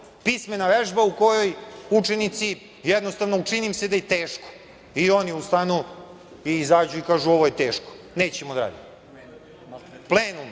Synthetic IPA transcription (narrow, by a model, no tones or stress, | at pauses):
pismenaʋeʒbauko̞jo̞jut͡ʂenit̪si | jɛd̪no̞st̪aʋnout͡ʂinimsed̪ajet̪eːʃko̥ | io̞niust̪anu | iizaːd͡ʑuikaːʒuoʋojet̪eːʃko̥ | neːt͡ɕemod̪aɾa̰ːd̪i | plˠeːnum